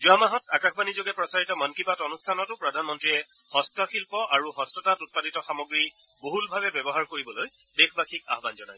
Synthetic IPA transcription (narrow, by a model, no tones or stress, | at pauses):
zuamaɦɔtakaxʰbanizoɡɛpɹɔsaɹitɔmɔnkipatɔnustʰanɔtʊpɹɔdʱanmɔntɹiɛ | hɔstɔxilpɔʔaɹuɦɔstɔtatut̚paditɔxamoɡɹi | boɦulbʱabɛbɛbɔɦaɹkoɹibɔloj | dexʰbaxʰika̰ɦbanzɔna̰j